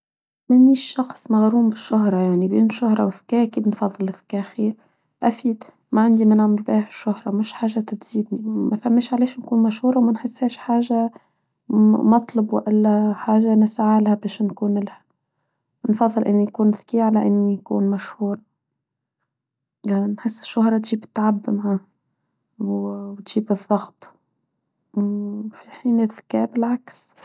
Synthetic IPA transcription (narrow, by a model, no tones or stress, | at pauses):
mɪnːiʃʃːɑxsˤmaɣɾuːmbɪʃːʊɦɾˤɑjaʕnibiːnʃʊhɾˤɑwθɪ̥kaʔkiːd̪nfɑðˤːɨlɪθɪ̥kːaxiːɾ | ʔafiːd̪ | maʕɪnd̪imɪnʕamɪlbaːʕɪʃːʊhɾˤɑmɪʃħaːʒːat̪ɪt̪z̥iːd̪nimafamːeːʃʕaleːʃnkuːnmaʃhuːɾˤɑwmanħɪsːheːʃħaːʒa | mɑt̪ˤlɑbwɪ̰ʔɪlːaħaːʒanɪsaʕalhabeːʃnkuːnɪlħa | nfɑðˤːɨlʔɪnːijakuːnðkiːʕalaʔɪnːijakṵːnmaʃhuːɾˤɑ | anħɪsːɪ̥ʃːʊhɾˤɑt̪ʒiːbɪt̪ːaʕabːɪmaʕa | wwt̪ʒ̥iːbɨðˤːɑɣt̪ˤ | fiħiːnʔɪðkḛːbɪlʕaks